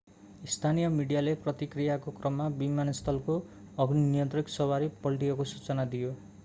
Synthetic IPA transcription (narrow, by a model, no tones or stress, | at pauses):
ist̪ʰanijʌmiɽijaleprʌt̪ikrijakokrʌmːabimanʌst̪ʰʌlko | ʌɡninijʌnt̪riksʌwaɾipʌlʈijʌkosut͡sʌnad̪ijo